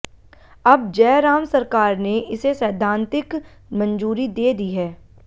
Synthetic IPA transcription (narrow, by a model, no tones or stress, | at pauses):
ɐb̚d͡ʒɛːɾaːmsɐɾkaːɾneɪsesɛːd̪ʱãːnt̪ɪk | mɐ̃nd͡ʒuːɾid̪eːd̪iɦɛː